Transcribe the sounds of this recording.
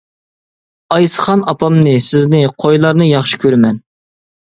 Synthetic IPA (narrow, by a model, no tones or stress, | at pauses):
ɑjsə̥χɑnɑpʰɑmnɨsɪznɪqʰojlˠɑɾnɨjɑχʃi̥kʲʰøɾmɛn